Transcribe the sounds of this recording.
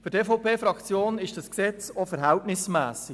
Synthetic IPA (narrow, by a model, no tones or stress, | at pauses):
fyɾtefɔʊpʰeːfɾɑkt͡sjoːnɪʃd̥ɑsksɛt͡sofɛɾɦæltnɪsmæːsi